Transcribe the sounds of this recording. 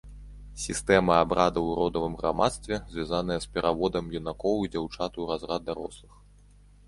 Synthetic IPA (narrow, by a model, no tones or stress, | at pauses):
sʲist̪ɛmɐabɾʔad̪ɐwɾɔd̪ɐvɨmɣɾa̰ma̰t̪st̪vʲɛzʲvʲazanɐjɐspʲɛɾʔavɔd̪ɐmjunakɔwid͡zʲawt͡ʂat̪uɾazrad̪d̪ːaɾɔslˠɨx